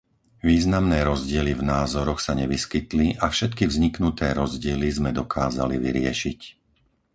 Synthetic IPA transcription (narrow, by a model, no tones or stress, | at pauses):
ʋiːznamnɛːɾɔzɟɪɛlivnaːzɔɾɔxsaɲɛʋiskit̪liʔafʃɛt̪kivzɲiknut̪ɛːɾɔzɟɪɛlizmɛd̪ɔkʰaːza̰lḭʋḭɾɪɛ̰ʃic